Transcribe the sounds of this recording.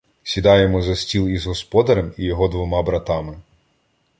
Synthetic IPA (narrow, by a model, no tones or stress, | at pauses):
sʲid̪ɑjemɔzɐsʲtʲilˠizɦɔspɔd̪ɐɾɐmijɔɦɔd̪ʋɔmɑbɾɐt̪ɑmɪ